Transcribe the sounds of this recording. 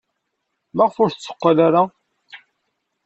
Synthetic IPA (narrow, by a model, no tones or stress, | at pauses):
maʁfʊɾθt͡sːə̥qːalaɾa